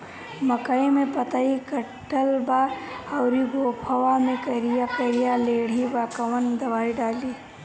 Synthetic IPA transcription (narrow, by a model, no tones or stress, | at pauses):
mɐkəimẽpɐt̪aikɐ | ʈːəlbaɐwɾibʱoːpʰɐwamẽkɐɾijakɐɾijaleːɽ̤ibakɐʋənd̪ɐʋaːiɖaːliː